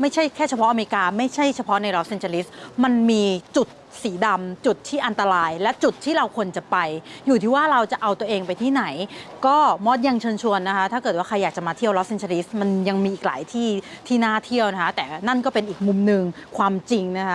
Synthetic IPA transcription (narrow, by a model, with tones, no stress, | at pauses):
ma˥˩jt͡ɕʰa˥˩jkʰɛː˥˩t͡ɕʰa˧pʰɔ˦˥ʔme˧ɾi˧kaː˧ma˥˩jt͡ɕʰa˥˩jt͡ɕʰa˧pʰɔ˦˥na˧jɾɔ˦˥se˧nt͡ɕaː˧li˦˥sma˧nmiː˧t͡ɕu˨˩t̪̚siː˩˦da˧mt͡ɕu˨˩t̪̚ʰːiː˥˩ʔa˧nt̪a˧ɾaː˧jlɛ˦˥t͡ɕu˨˩t̪̚ʰːiː˥˩ɾa˧wkʰu˧ənt͡ɕa˨˩pa˧jjuː˨˩t̪ʰiː˥˩waː˥˩ɾa˧wt͡ɕa˨˩ʔa˧wt̪u˧əʔeː˧ŋpa˧jt̪ʰiː˥˩na˩˦jkɔː˥˩mɔː˦˥˩t̪̚ja˧ŋt͡ɕʰɤː˧nt͡ɕʰu˧ənːa˦˥kʰa˦˥t̪ʰaː˥˩kɤː˨˩t̪̚waː˥˩a˧jːaː˨˩t͡ɕa˨˩maː˧t̪ʰi˥˩əwlɔ˦˥se˧nt͡ɕʰaː˧li˦˥sma˧nja˧ŋmiː˧ʔiː˨˩k̚la̰ː˩˦jt̪ʰiː˥˩t̪ʰiː˥˩naː˥˩t̪ʰi˥˩əwna˦˥kʰa˦˥t̪ɛː˨˩na˥˩nkɔː˥˩pe˧nʔiː˨˩k̚mu˧mnɯ˨˧ŋkʰwaː˧mt͡ɕi˧ŋna˦˥kʰa˦˥